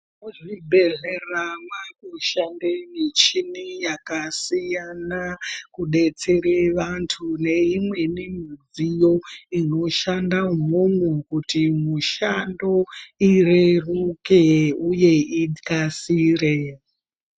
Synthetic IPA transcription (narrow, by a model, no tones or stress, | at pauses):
uʐibʱe̞ɮeramakuʃandemit͡ʃinijakasijanakuɗe̞t͡se̞ɾeʋantʰune̞imwe̞nimid͡zijo̞ino̞ʃandaumomukutimuʃando̞irerukeuje̞ikasiːre